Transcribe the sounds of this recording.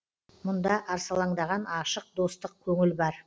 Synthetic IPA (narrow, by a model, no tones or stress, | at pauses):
mʊnd̪ɑʔɑɾsɑlˠɑɴd̪ɑʁɑnɑʃəq̚d̪o̞st̪əq̚kʲʰɵŋɪlbɑɾ